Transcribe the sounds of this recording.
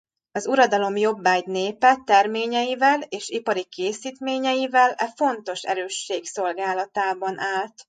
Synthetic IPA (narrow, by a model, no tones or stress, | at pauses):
ɒzuɾɒd̪ɒlo̞mjo̞bːaːɟneːpɛt̪ɛrmeːɲɛjivɛleːʃipɒɾikeːsiːt̪meːɲɛjivɛlɛfo̞nt̪o̞ʃɛ̰ɾøːʃːeːkso̞lɡaːlɒt̪aːbɒnʔaːlt̪